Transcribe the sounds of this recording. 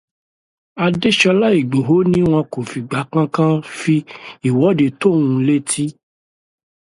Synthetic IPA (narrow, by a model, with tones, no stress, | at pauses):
a˧de˦ʃɔ˧la˦i˦˨ɡ͡bo˨ɦo˨˦nĩ˦w̃ɔ̃˧ko˨fi˨ɡ͡ba˨˦kã˦kã˦fi˧i˨wɔ˨˦de˧to˦˨wũ˧le˦tʰi˦